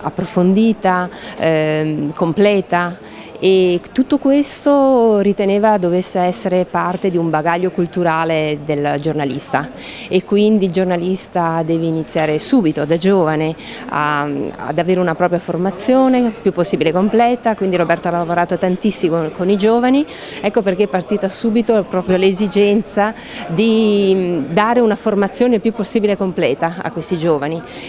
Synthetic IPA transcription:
a̰pːɾofond̪iːt̪a | komplɛːt̪a | et̪ːut̪ːokwest̪orit̪eneːvad̪ovesːeɛsːeɾepart̪ed̪iumbaɡaʎːokult̪uɾaːled̪eld͡ʒornalḭst̪a | ekːwind̪ild͡ʒornalist̪ad̪ɛːveinit̪sːjaːɾesuːbit̪od̪ad͡ʒoːvanea̰a̰d̪aveːɾeunapɾɔːpɾjaformat̪sːjoːnepjupːosːiːbilekomplɛːt̪akwind̪iɾobɛrt̪oalaavoɾaːt̪ot̪ant̪isːiokonid͡ʒoːvani | ɛkːoperk̟eɛpːart̪iːt̪asuːbit̪opɾɔːpɾjolezid͡ʒɛnt̪sa | d̪i | d̪aːɾeunaformat̪sːjoːnepjupːosːiːbilekomplɛːt̪aa̰kːwest̪id͡ʒoːvani

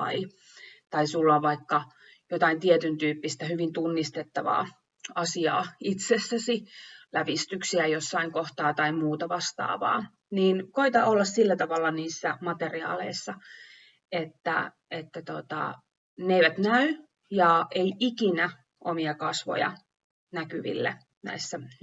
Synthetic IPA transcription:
ɑ̰i | t̪ɑisulːɑʋʋɑikːɑ | jot̪ɑint̪iet̪ynt̪yːpːist̪æhyʋint̪unːist̪et̪ːɑʋɑ̰ː | ɑsiɑ̰ːit̪sesːæsilæʋist̪yksiæjosːɑiŋkoht̪ɑːt̪ɑimuːt̪ɑʋɑst̪ɑ̰ːʋɑ̰ː | niːnkoit̪ɑolːɑssilːæt̪ɑʋɑlːɑniːsːæmɑt̪eriɑ̰ːlḛisːɑ | et̪ːæ̰ | et̪ːæt̪ot̪ɑ̰ | neiʋæt̪næy | jɑʔeiʔikinæ | ʔomiɑkɑsʋo̰jɑ̰ | nækyʋḭlːḛ | næ̰isːæ

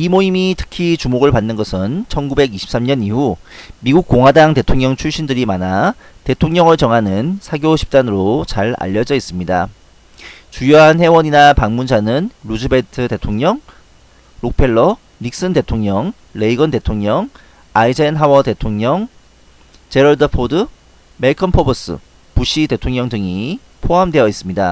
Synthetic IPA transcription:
imoimitʰɯ̥kʰit͡ɕumoɡɯɭpanːɯnɡʌsʰɯnt͡ɕʰʌnɡube̞ɡiɕʰi̥ps͈amɲʌnihumiɡuk̚k͈oŋɦwadaŋte̞tʰoŋɲʌŋt͡ɕʰuɭɕ͈indɯɾimanate̞tʰoŋɲʌŋɯɭt͡ɕʌŋɦanɯnsʰaɡjoɕʰi̥p̚t͈anɯɾot͡ɕaɾa̰ʎːʌd͡ʑʌis͈ɯmɲida | t͡ɕujoɦanɦe̞wʌɲinapaŋmund͡ʑanɯnɾud͡ʑɯbe̞tʰɯte̞tʰoŋɲʌŋ | ɾok̚pʰe̞ɭːʌ | mik̚s͈ɯnde̞tʰoŋɲʌŋ | le̞iɡʌnde̞tʰoŋɲʌŋ | aid͡ʑenɦawʌde̞tʰoŋɲʌŋ | t͡ɕe̞ɾʌɭdɯpʰodɯ | me̞ɭkʰʌnpʰʌbʌs͈ɯ̰ | puɕ͈ʰite̞tʰoŋɲʌŋdɯŋi | pʰoɦamde̞jʌis͈ɯmɲida

